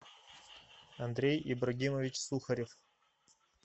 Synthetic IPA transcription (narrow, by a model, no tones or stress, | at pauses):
ɐnd̪ɾʲejibrɐɡʲimovʲɪt͡ɕsuxɐɾʲef